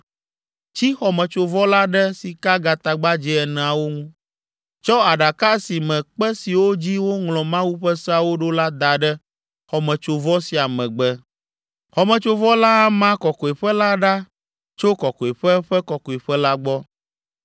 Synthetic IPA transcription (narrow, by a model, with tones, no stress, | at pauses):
t͡ɕi˦xɔ˨mɛ̃˨t͡ʃo˨vɔ˦la˦ɖɛ˦si˨ka˦ɡa˨t̪a˨ɡ͡ba˦d͡ʑi˦ɛ˨nɛ̃˨a˨wo˦ŋũ˦ | t͡ʃɔ˦a˨ɖa˨ka˦si˨mɛ̃˨k͡pɛ˦si˨wo˦d͡ʑi˦wo˦ŋlɔ̃˨mã˦wu˦ɸɛ˦sɛ˦a˨wo˦ɖo˦la˦d̪a˨ɖɛ˦ | xɔ˨mɛ̃˨t͡ʃo˨vɔ˦si˨a˨mɛ̃˨ɡ͡bɛ˦ | xɔ˨mɛ̃˨t͡ʃo˦vɔ˦la˦a˦mã˦kɔ˨kɔ˨e˨ɸɛ˦la˦ɖa˦ | t͡ʃo˦kɔ˨kɔ˨i˨ɸɛ˦ɸɛ˦kɔ˨kɔ˨i˨ɸɛ˦la˦ɡ͡bɔ˦